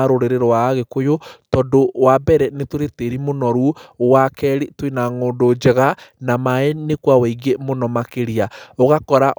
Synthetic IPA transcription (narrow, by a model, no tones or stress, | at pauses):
aɾoɾeɾeɾowaːɣekojotɔdowabɛɾɛnetoɾeteɾimonɔɾuwakɛɾitwinaŋoːndod͡ʒeɣanamaenekwawɛiɡemonɔmakeɾiaoɣakɔɾaʔ